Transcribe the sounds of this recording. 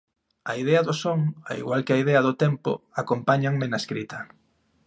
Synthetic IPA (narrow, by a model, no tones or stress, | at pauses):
aiðɛɐðʊsoŋa̰ḭɣwalkɪaiðɛɐðʊt̪ɛmpʊ̰akompaɲaŋmɪnaeskɾit̪ʰɐ